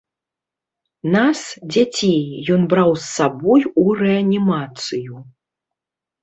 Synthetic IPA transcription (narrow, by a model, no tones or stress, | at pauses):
nasd͡zʲat͡sʲejjɔnbɾawsːabɔjurɛɐnʲimat̪sɨju